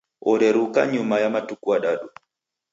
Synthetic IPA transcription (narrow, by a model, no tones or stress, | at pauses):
ɔɾɛɾuka̰ɲumajamatukuaɗaɗu